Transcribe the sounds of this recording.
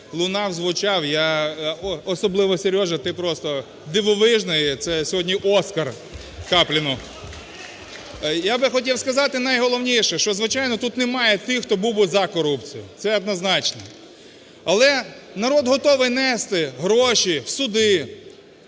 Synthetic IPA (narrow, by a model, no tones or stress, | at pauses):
lˠʊnɑwzʋʊt͡ʃɑwja | ɔsɔblˠɪʋɔsʲeɾʲjɔʒɐt̪ɪpɾɔst̪ɔ | d̪ɪʋɔʋɪʒnɔjt̪sɛsʲɔɦɔdʲnʲiʔɔskɐr | kɑplʲɪnʊ | jabɪxɔtʲiwskɐzɑt̪ɪnɐjɦɔlˠɔwnʲiʃɛʃt͡ʃɔzʋɪt͡ʃɑjnɔt̪ut̪nemɑjɛt̪ɪxt̪ɔbubʊzɐkɔɾupt͡sʲijʊ̰sɛɐd̪nɐznɑt͡ʃnɛ | ɐlˠɛnɐɾɔd̪ɦɔt̪ɔʋɪjnɛst̪ɪɦɾɔʃiwsʊd̪ɪ